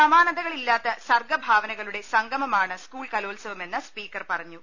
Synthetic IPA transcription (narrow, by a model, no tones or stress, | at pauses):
sɐmaːnɐnd̪ɐɣɐɭilːaːt̪ːɐsɐrɡɐbʱaːʋɐnɐɣɐɭuɽe̞sɐŋɡɐmɐmaːɳɨskuːɭkɐlo̞ːlsɐʋɐme̞nːɨspiːkːɐrpɐrɐɲːu